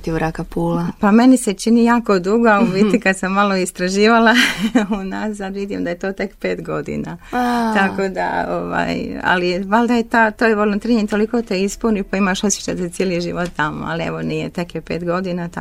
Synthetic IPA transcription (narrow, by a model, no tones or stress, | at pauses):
t̪iʋɾakapuːlapame̞niset͡ʃinijaːko̞d̪uɡouʋit̪ikad̪samːalo̞ist̪ɾaʒiːʋalaunassad̪ʋid̪imd̪ajet̪o̞ːt̪e̞kpe̞ːt̪ɡo̞d̪ḭna̰t̪ako̞d̪a̰o̰ʋa̰ːja̰liʋalˠd̪ajet̪aːt̪ojʋolˠunt̪ɾiɲit̪o̞liko̞ːt̪eispunipaimaʃosje̥t͡ʃajt̪at̪sjeːliʒḭʋot̪t̪amo̰a̰liḛʋo̞nijet̪e̞kjepeːt̪ɡo̞d̪inat̪